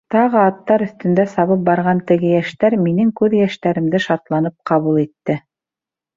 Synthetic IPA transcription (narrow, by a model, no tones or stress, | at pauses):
t̪ɑʁɤɑt̪ːɑɾɵ̆θt̪ɵ̆nd̪æsɑβɤp̚bɑɾʁɑnt̪ɘ̆ɡɘjæʃt̪æɾminɘŋkʉðjæʃt̪æɾɘ̆md̪ɘʃɑt̪lˠɑnɤp̚qɑβulˠit̪ːɘ